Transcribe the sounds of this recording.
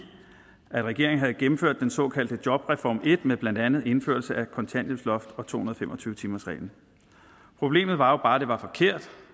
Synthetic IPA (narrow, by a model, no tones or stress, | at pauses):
æd̥ʁɛɡ̥e̝ɐ̰eŋ̩ɦæð̩ˠɡ̥emm̩føɐ̰d̥ːensɒ̽kʰæld̥ədjɒ̽b̥ʁɛfɒ̰ːme̝d̥meb̥læn̰d̥ænð̩ˠe̝n̩fø̰ɐlsəækʰɒ̽nt͡sʰæn̰d̥oslɒ̽fd̥ɒ̽t͡sʰo̝̰ːhunɐðˠfemʔɒ̽t͡sʰyːət͡sʰiːmɐsʁɛ̰ːln̩ | pʰʁo̝b̥le̝̰ːmð̞̩ˠʋɑ̈job̥ɑ̈ːd̥e̝ʋɑ̈fɒ̽kʰe̝ɐ̰d̥